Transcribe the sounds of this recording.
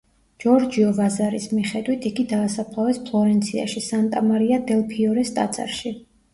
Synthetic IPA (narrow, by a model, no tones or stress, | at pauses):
d͡ʒ̥ɔɾd͡ʒiɔvazaɾismiχɛd̪wit̪ʰiɡid̪aːsapʰlˠavɛspʰlˠɔɾɛnt̪sʰia̰ʃisant̪ʼamaɾiad̪ɛlˠpʰiɔɾɛst̪ʼa̰t̪sʼa̰ɾʃi